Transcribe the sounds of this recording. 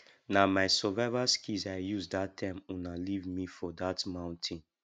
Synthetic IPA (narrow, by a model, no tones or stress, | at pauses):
namajsɔvɛvaskizajjuzd̪atʰːɛ̃mũnalivmifɔdatmãw̃ntʰĩn